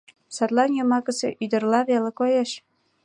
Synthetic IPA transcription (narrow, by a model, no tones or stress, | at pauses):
sɑt̪lɑnjɤ̆mɑkə̆sḛʔyd̪ə̆rlɑβelə̆kojeʃ